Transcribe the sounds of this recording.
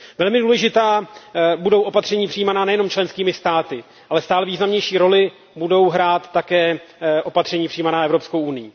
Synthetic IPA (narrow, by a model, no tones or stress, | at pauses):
vɛlmɪduːlɛʒɪt̪aːbudo̞wʔo̞pat̪r̝ɛɲiːpr̝̥ɪijːmanaːnɛjɛnomt͡ʃlɛnskiːmɪst̪aːt̪ɪ | ʔalɛst̪aːlɛviːznamɲɛjʃiːɾo̞lɪ | budo̞wɦɾaːt̪ːakɛːʔo̞pat̪r̥ɛɲiːpr̝iːmanaːʔɛvɾopsko̞wunɪjiː